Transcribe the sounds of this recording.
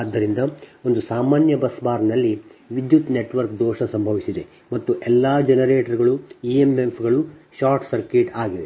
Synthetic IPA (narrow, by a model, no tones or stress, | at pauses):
d̪ʱːɐɾind̪ɐo̞nd̪usaːmaːnjɐbɐsbaːɾnɐlːiʋid̪jut̪neʈʋɐɾkd̪ɔːʂɐsɐmbʱɐʋisid̪e̞ | mɐt̪ːuʔɛlːaːd͡ʒenɐɾeːʈɐɾɡɐɭuiemempʰɡɐɭuʃaːɾʈsɐɾkeːʈaːɡid̪e̞̰